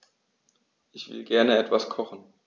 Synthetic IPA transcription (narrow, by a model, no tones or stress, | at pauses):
ʔɪçv̥ɪ̰lɡɛɐnəɛtv̥askʰɔχn̩